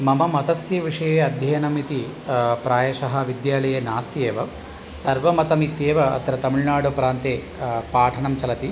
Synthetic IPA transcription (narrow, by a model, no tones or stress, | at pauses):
mɐmɐmɐt̪ɐsjɐʋiʂɐjeːɐd̪ʱjɐjɐnɐmit̪i | pɾaːjɐʂɐɦɐʋid̪jaːlɐjeːnaːst̪ieːʋɐ | sɐɾʋɐmɐt̪ɐmit̪ːeːʋɐɐ̰t̪ɐɾɐt̪ɐmiɭnaːɽopɾaːnt̪eː | paːʈʰɐɳɐmt͡ʃɐlɐt̪i